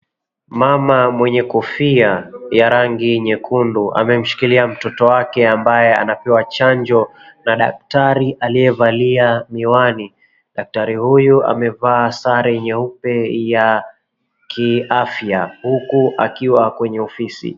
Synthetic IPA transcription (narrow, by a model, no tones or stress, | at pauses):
mamamwɛɲɛkɔfiajaɾaŋɡiɲɛkʰunduʔa̰mɛm̩ʃi̥kiliam̩tɔtɔwakɛambajɛa̰napɛwat͡ʃaɲd͡ʒɔ | naɗa̰k̚taɾiʔaliɛvaliamiwani | ɗak̚taɾihujua̰mɛvaːsaɾɛɲɛupɛja | kʰiafjahukuʔa̰kiwakwɛɲɛɔfisḭ